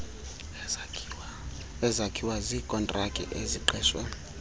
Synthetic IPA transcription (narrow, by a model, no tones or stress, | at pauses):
ɛzakʰiwazikʼɔntʼrakʼḭʔeziǃɛːʃwɛ